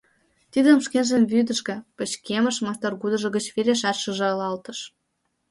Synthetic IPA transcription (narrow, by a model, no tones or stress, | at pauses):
t̪id̪ə̆mʃkenʒemvyd̪ə̆ʃɡĕpə̆t͡ɕkemə̆ʃmɑst̪ɑrɣud̪ɤ̆ʒɤ̆ɡə̆t͡ɕβeɾeʃɑʃə̆ʒ̆ojlɑlt̪ɤ̆ʃ